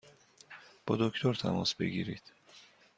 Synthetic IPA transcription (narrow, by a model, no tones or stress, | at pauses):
b̥ɒːd̪ocʰt̪ʰoɾt̪ʰæ̰mɒ̰ːsbe̞̰ɟiːɾiːd̪̥